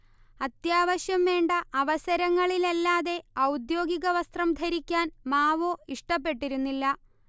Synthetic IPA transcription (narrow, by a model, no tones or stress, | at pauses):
ɐt̪jaːʋɐɕjɐmʋe̞ːɳɖɐʔɐʋɐsɐɾɐŋːɐɭilelːaːðe̞ɐwd̪jo̞ːɡiɣɐʋɐst̪rɐmd̪ʱɐɾikʲːaːnmaːʋoːiʂʈɐp̬ːe̞ʈːiɾunːilːɐ